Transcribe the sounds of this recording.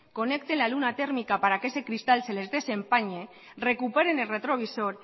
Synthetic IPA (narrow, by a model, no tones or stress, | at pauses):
konek̚t̪enlalunat̪eɾmikapaɾakesekɾist̪alselezðesempaɲe | rekupeɾenelret̪ɾoβisoɾ